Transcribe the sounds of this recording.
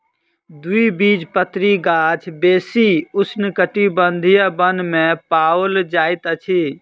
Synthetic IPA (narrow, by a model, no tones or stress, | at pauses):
d̪uibid͡ʒpət̪ɾiɡaːt͡ʃʰbeːsiʊsnɪkəʈibənd̪ʱijabənmẽpaːwld͡ʒaːɪt̪ət͡ʃʰi